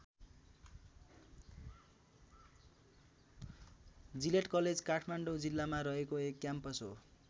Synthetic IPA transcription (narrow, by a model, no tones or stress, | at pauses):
d͡zileʈkʌled͡zkaʈʰmaɳɖod͡zilːamaɾʌɦekoekːjampʌsɦo̰